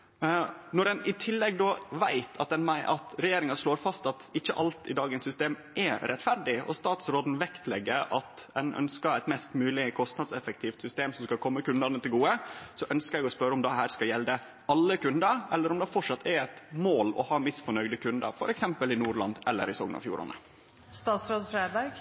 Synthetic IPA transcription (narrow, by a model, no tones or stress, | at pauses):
nɔɾɛnɪt̪ʰɪlːɛɡd̪ɔʋæɪt̪ʰɑt̪̚d̪ɛnmæɪʔɑt̪ɾɛjeːɾɪŋɑʂɭoːɾfɑst̪ɑt̪ɪçːəʔɑlt̪ɪd̪ɑːɡənsʏst̪eːmʔɛɾɛt̪fæɾɖɪɔ̰st̪ɑːt̪sɾoːd̪n̩ʋɛkt̪ʰlɛɡːəɾɑt̪d̪ɛnʔœ̰nskəɾæɪt̪mɛst̪mʉːlɪkʰɔst̪nɑd̪sɛfək̚t̪ʰiːft̪sʏst̪eːmsɔmskɑkʰɔmːəkʉnd̪ɑnət̪ɪlɡuːəsɔʔœnskəɾɛɡɔspœɾəɔmd̪ɛhæːɾskɑljɛld̪ə | ɑlːəkʉnd̪əɾɛlːəɾɔmd̪ɛfɔʈʂɑt̪ʰːɛɾɛɪt̪moːlɔ̰hɑːmɪsfɔɳœʏɡd̪əkʰʉnd̪ə̰ɾfɔ̰ɾɛksɛmpəlɪnuːɾɭɑ̰nd̪ɛlːə̰ɾɪsɔ̰ːɡnɑ̰fjṵːɾʔɑ̰nə̰ | st̪ɑːt̪sɾoːd̪fɾeːd̪ɑɾɡ